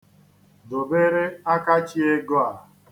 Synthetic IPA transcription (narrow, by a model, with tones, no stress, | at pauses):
do˨be˦ɾe˦a˦ka˦t͡ʃi˦e˦ɡɔ˦a˨